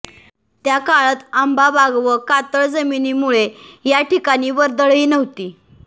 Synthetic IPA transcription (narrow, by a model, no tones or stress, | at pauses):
t̪jakaɭət̪ambabaɡʋəkat̪əɭd͡zəminimuɭejaʈikañiːʋəɾd̪əɭiːnəʋt̪iː